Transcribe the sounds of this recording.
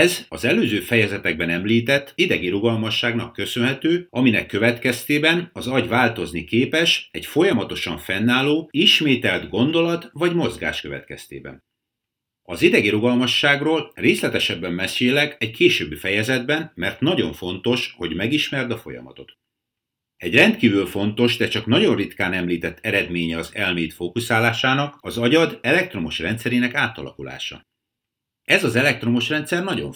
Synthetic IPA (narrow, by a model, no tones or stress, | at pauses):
ɛzɒzɛløːzøːfɛjɛzɛt̪ɛɡ̚bɛnɛmliːt̪ɛt̪ːid̪ɛɡiɾuɡɒlmɒʃːaːɡnɒkːø̞sønɦɛt̪øːɒminɛkːø̞vɛt̪kɛst̪eːbɛnɒzɒɟvaːlt̪o̞znikeːpɛʃɛ̰ɟfo̞jɒmɒt̪o̞ʃɒɱfɛnːaːloːiʃmeːt̪ɛld̪ɡo̞nd̪o̞lɒt̪vɒɟmo̞zɡa̰ːʃkø̞vɛ̰t̪kɛ̰st̪ḛːbɛ̰n | ɒzid̪ɛɡiɾuɡɒlmɒʃːaːɡroːlreːslɛt̪ɛʃɛbːɛmːɛseːlɛɡɛɟkʰeːʃøːbːifɛjɛzɛd̪̚bɛnmɛrt̪nɒɟo̞ɱfo̞nt̪o̞ʃho̞ɟmɛɡiʃmɛrd̪ɒfo̞̰jɒ̰mɒ̰t̪o̞t̪ | ɛɟrɛnt̪kiːvylfo̞nt̪o̞ʒd̪ɛt͡ʃɒknɒɟo̞nrit̪kaːnɛmliːt̪ɛt̪ʰːɛɾɛd̪meːɲɛɒzɛlmeːt̪foːkusaːlaːʃaːnɒkɒzɒɟɒd̪ɛlɛk̚t̪ro̞moʃrɛnt̪sɛɾeːnɛkaːt̪ɒ̰lɒ̰kula̰ːʃɒ̰ | ɛzɒzɛlɛk̚t̪ro̞moʃrɛnt̪sɛrnɒɟo̞̰ɱ